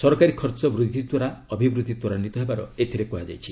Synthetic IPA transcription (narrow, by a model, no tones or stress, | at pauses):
sɔɾɔkaɾikʰɔɾt͡ʃɔbɾud̪ʱːit̪wɔɾaɔbʱibɾud̪ʱːit̪wɔɾanit̪ɔɦebaɾɔ̰et̪ʰiɾekuɦad͡ʒa̰jt͡ʃʰi